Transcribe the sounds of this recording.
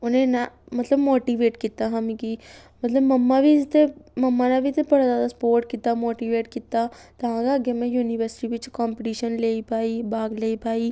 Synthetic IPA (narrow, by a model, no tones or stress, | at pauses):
ʊnẽnamɐt̪ləbmoːʈiʋeːʈkiːt̪aɦãmĩkimɐt̪ləbmɐmːabʱist̪emɐmːanabʱit̪epɐɽ̤azaːd̪aspoːɾʈkiːt̪amoːʈiʋeːʈkiːt̪at̪ɐɦãɡaəɡemẽjuːniʋəɾsɪ̥ʈiʋɪt͡ʃkɔːmpiʈiːʃənleːipaːibaːɡleːipaːiː